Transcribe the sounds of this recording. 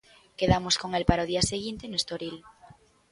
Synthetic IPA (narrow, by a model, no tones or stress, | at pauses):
keðamoskoŋelpaɾaoð̞iaseɣint̪enoest̪oɾil